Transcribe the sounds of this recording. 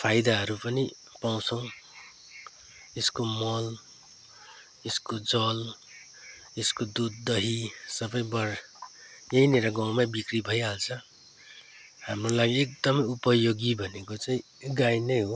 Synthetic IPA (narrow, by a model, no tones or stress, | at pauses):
pʰajd̪aɦʌɾupʌni | paw̃t͡sʰʌw̃ | eskomʌl | eskod͡zʌl | eskod̪ud̪ːʌɦisʌbʌjbʌr | jʌineɾʌɡaw̃mabikribʱʌjalt͡sʰʌ | hamrolaɡiek̚d̪ʌmʌjupʌjoɡibʱʌnekot͡saĩ | ɡajnʌjɦo